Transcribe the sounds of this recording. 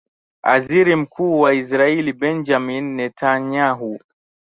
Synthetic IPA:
a̰ziɾim̩kʰuːwais̬ɾailibɛnd͡ʒaminːɛtaɲaɦu

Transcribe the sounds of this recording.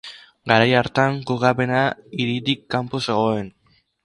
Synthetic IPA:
ɡaɾajaɾt̪aŋkokape̞naiɾit̪ikːampose̞ɣ̞o̞e̞n

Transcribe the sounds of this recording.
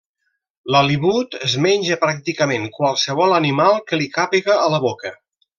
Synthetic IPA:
ləliβut̪əzmɛnʲʒəpɾak̚t̪ikəmeŋkwalˠsəβ̞ɔlˠənimalˠkəlikapiɣəːləβokə

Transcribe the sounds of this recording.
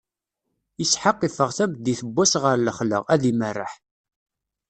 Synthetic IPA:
jəsħəqːifəʁθæm̚d̪iθəbːæsʁəɾləχlə̰ʁæðimərːə̰ħ

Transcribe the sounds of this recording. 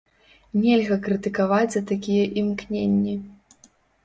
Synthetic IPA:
nʲɛlʲɣɐkɾɨt̪ɨkavad͡zʲzɐt̪akʲijɛʔimknʲenʲːi

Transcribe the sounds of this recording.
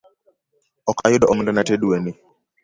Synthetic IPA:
ɔkʰajuɗɔʔɔŋndɛnatɛɗuwɛni

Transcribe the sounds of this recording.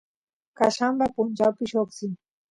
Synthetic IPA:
kaʃambapund͡ʒapiʃɔksi

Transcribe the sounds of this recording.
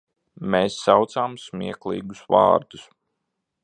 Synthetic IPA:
meːsːawt̪saːmsmʲiɛklˠḭːɡusvɑ̰ːɾd̪̥us

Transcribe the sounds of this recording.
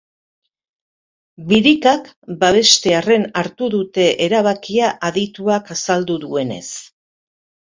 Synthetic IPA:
biɾikakbaβ̞e̞st̪e̞are̞naɾt̪uðut̪e̞ʔeɾaβ̞akiaʔaðit̪uakasald̪uðue̞ne̞̰s

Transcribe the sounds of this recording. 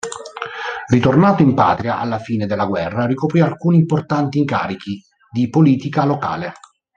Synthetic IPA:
rit̪ornaːt̪oimpa̰ːt̪ɾiaʔa̰lːafiːned̪elːaɡwɛrːarikopɾialkuːniːmport̪ant̪iːŋka̰ːɾik̟i | d̪ipoliːt̪ikaloka̰ːle

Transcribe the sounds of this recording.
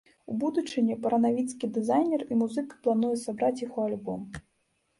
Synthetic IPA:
ubud̪ut͡ʂɨnʲɛpɐɾɐnavʲit̪skʲid̪ɨzajnʲɛrimuzɨkɐ̥plˠanujɛsabɾat͡sʲjaɣɔalʲbɔm

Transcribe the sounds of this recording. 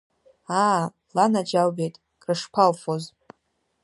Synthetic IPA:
a | lanad͡ʒawbejtʼ | kʼrɨʂpʰalfoz

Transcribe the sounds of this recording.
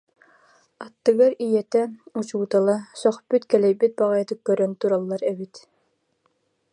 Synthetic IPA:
at̪ːɯɡaɾijɛt̪ɛut͡ɕuːt̪alˠasɔχpyt̪kɛlɛjbit̪̚baʁajat̪ɯkːœɾœnt̪uɾalˠːaɾɛbit̪

